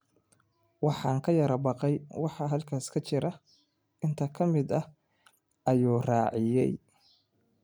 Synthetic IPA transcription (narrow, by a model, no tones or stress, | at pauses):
wɑħɑːŋkʰɐjɐɾɐbɑqɛjwɑħɑɦɐlkʰaːskʰɐt͡ʃɪɾɐ | ʔɪnt̪ʰɐkʰɐmɪd̪ɐ | ʔɐjuːrɑːʕɪjɛ̰j